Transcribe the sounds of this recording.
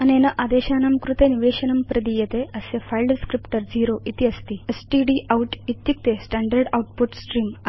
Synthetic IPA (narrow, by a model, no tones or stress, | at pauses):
ɐnenɐʔad̪eɕaːnamkɾut̪eniʋeːɕɐnɐmpɾɐd̪ijet̪eɐsefajlɖskɾipʈəɾd͡ziɾoʔit̪iɐst̪iːesʈiɖiʔawʈit̪jik̚t̪esʈaɳɖəɾɖɐwʈ̚puʈsʈɾiːm